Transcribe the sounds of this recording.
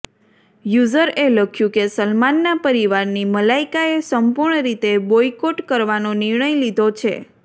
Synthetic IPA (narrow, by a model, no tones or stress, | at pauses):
juzəɾeləkʰjũkesəlmanːapəɾiʋaɾniməlaikaesəmpuɾɳəɾit̪ebojkoʈkəɾʋanoniɾɳəjlid̪ʱot͡ʃʰḛ